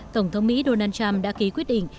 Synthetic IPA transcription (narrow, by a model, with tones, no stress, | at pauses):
t̪ə˧˩wŋ͡mt̪ʰə˨˦wŋ͡mmḭ˧˥ɗo˧naː˧nt͡ɕa˧mɗa̰ː˧˥ki˨˦kwi˦˥ət̚ɗḭ̈˧˨ŋ